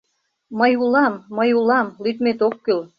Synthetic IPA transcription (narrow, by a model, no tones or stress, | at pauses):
məjulɑmːəjulɑmlyt̪met̪okːyl